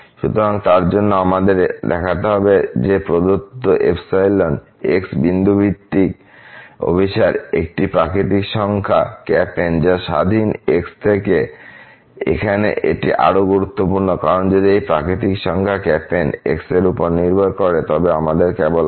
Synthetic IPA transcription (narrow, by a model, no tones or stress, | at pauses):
ʃut̪oɾaŋt̪aɾd͡ʑonːoamad̪eɾd̪ɛkʰat̪̬eɦɔbed͡ʑepɾod̪ot̪ːoʔḛpsajlon | eksbind̪ʱubʱit̪ːik | o̰bʱiʃaɾḛk̚ʈipɾakɾit̪ikʃɔŋkʰa̰kɛpend͡ʑaʃa̰d̪ʱinekst̪ʰeke | ḛkʰanḛʔḛʈḭʔa̰ɾoɡuɾut̪ːopuɾnokaɾond͡ʑod̪iejpɾakɾit̪̬ikʃɔŋkʰakɛpenḛkseɾupoɾniɾbʱaɾkɔɾet̪ɔbeamad̪eɾkɛbol